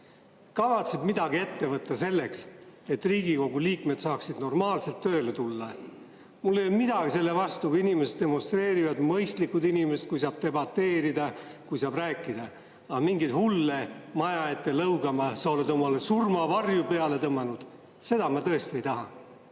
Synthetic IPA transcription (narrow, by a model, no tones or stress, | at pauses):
kɑvɑt̪se̞bmid̪̥ɑɡie̞t̪ːe̞vɤt̪ːɑse̞lːe̞kse̞t̪ːriːɡiko̞ɡ̥uliːkme̞d̪t̪sɑːksid̪̥no̞rmɑːlse̞lt̪ːø̞ːle̞t̪ulːɑ | mulːejolmid̪ɑɡise̞lːe̞vɑst̪ukuinimeset̪̚d̪e̞mo̞nst̪ɾe̞ːɾivɑd̪mɤjst̪likːˑud̪inimeset̪̚kujsɑːb̥̚t̪e̞bɑt̪ːe̞ːɾid̪ɑkujsɑːbræːkːˑid̪̥ɑ | ɑmiŋɡit̪hulːemɑjɑe̞t̪ːˑe̞lɤwɡ̥ɑmɑsɑo̞let̪omɑlesurmɑvɑrjupe̞ɑle̞t̪ɤmːɑnud̪̥ | se̞d̪ɑmɑt̪ɤe̞st̪ie̞jt̪ɑɦɑ